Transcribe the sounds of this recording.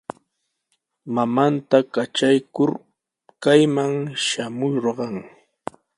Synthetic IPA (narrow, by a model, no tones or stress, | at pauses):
mamant̪akat͡ʃajkʊɾ | kajmaŋʃamʊɾɢɑŋ